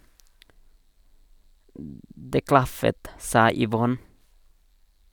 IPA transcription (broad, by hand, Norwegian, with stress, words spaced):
ˈdeː ˈklɑfət ˈsɑː ʏˈʋɔn